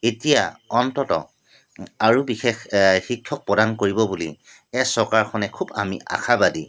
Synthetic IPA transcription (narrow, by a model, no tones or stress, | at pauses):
etija̰ɔntɔtɔ̰ | aɹubixexxikʰːɔk̚pɔdankoɹibɔbulḭ | ɛsɔɹkaɹxʰɔnɛkʰubamiʔa̰xabadi